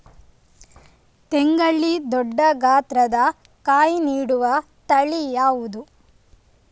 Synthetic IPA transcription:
t̪eŋɡɐɭːid̪ɔɖːɐɡaːt̪ɾɐd̪ɐ | kaːjiniːɽuʋɐ | t̪ɐɭijaːʋud̪u

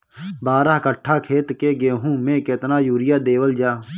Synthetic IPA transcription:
baːɾəɦkəʈʰːaːkʰeːt̪keɡeːɦũːmẽːket̪naːjuːɾɪjaːd̪eːʋəld͡ʒaː

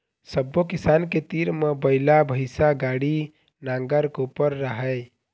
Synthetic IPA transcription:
səbːokɪsaːnket̪iːɾmebəɪlabʱəɪsaɡaːɽi | nãːŋɡəɾkopəɾːəɦə

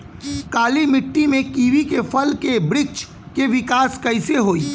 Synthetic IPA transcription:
kaːlimɪʈːimẽkiːʋikefʰɐlkebɾɪt͡ʃ | keʋɪkaːskɐɪseɦoːiː

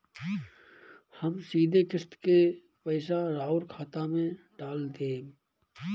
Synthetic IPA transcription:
həmsiːd̪ʱekɪst̪ke | pəɪs̬aɾaːʊɾkʰaːt̪amẽ | ɖaːld̪eː

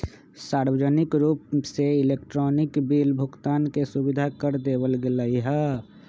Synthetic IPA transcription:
saːɾwəd͡ʒənɪkɾuːp̚seɪleːk̚ʈɾɔːnɪkbiːlbʱʊɡt̪aːnkesubid̪ʱakəɾd̪eːwəlɡeləiɦɛ

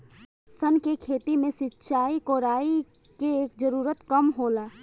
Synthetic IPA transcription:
sənkekʰeːt̪imẽsɪtːʃaːikoːɾaːi | keeːkd͡ʒəɾuːɾət̪kəmɦoːlaː

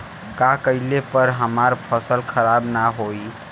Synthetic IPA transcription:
kakəɪlepəɾɦəmaɾpʰəsəlkʰəɾabnaɦoj

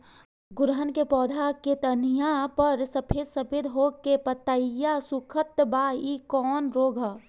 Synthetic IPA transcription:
ɡʊɾɦənkepɔːd̪ʱaket̪ənijãpəɾsəpʰeːd̪sɐpʰeːd̪ɦoːkepət̪əjasukʰət̪baːikɔːnɾoːɡʱə

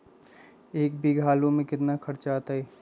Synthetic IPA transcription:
eːkbʱiɡʱaːlõmẽkɪt̪nakʰɐɾt͡ʃat̪aɦɛː

